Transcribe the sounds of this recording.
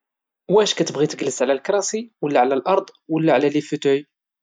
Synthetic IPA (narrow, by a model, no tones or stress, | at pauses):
wæʃkæt̪əbɣit̪əɡlːəsʕlælkɾˤɑsiwəlːæʕlælʔɑɾˤd̪ˤwəlːæʕlælifut̪ʊi